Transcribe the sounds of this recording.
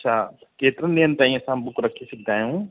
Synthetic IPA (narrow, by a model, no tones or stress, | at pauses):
ɐʃʰaːkeːt̪ɾənːijənt̪ãːĩsãmbʊkɾɐkʰːisɪk̚ʰd̪ʱaːjũː